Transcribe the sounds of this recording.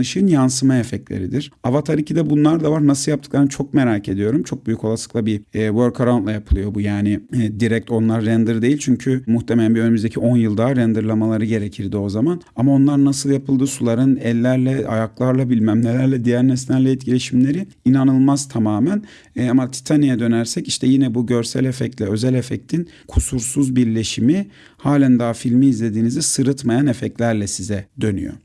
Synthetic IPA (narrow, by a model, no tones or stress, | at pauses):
ɯʃɯnjansɯmaefɛclʲḛɾid̪iɾ̥avat̪ʰaɾiːcʰid̪ɛbunlˠaɾd̪avaɾnasɯlˠjap̚t̪ʰɯklˠaɾɯnt͡ʃʰo̞k̚me̞ɾaːcʰe̞d̪ijo̞ɾumt͡ʃʰo̞k̚byjyko̞lˠasɯ̥klˠabiːvøɾkʰaɾawnt̪lˠajapʰɯlˠɯjo̞bujaːnɪːd̪iɾɛc̚t̪ʰo̞nlˠaɾːɛnd̪ɯɾd̪ejilʲt͡ʃʰyɲcʰymuxt̪ʰemelʲæmbiø̞nymyzd̪ecʰio̞njɯlˠd̪aːɾɛnd̪ɯɾlˠamalˠaɾɯɟe̞ɾecʰiɾd̪io̞zamanamao̞nlˠaɾnasɯlˠjapʰɯlˠd̪ɯːsulˠaɾɯnɛlʲːæɾlʲɛa̰jaklˠaɾlˠabilʲmæmlʲelʲæɾlʲɛd̪ijæɾnɛslʲæɾlʲɛɛt̪̚cʰilʲe̞ʃimlʲe̞ɾi | inanɯlˠmazt̪ʰamaːmæn | amat̪ʰi̥t̪ʰanijad̪ø̞næɾsɛciʃt̪ʰɛjinɛbuɟø̞ɾsæ̰lʲefɛc̪̚lʲɛø̞zɛlʲefɛc̚t̪ʰin | kʰusuɾsuzbiɾlʲe̞ʃimi | haːlʲænd̪aːfilʲmiːzlʲe̞d̪iːnizisɯɾɯt̪majanefɛclʲæɾlʲɛsizɛd̪ø̞ny̰jo̰